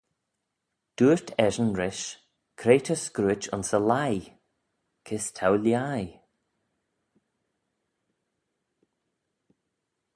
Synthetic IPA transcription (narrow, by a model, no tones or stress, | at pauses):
d̥uːɹt̪ʰɛʒənɹɪʃ | kʰɾeːt̪ʰəskɾuːɪt͡ʃʊ̰nsəlaj | kʰɪstʰawljaj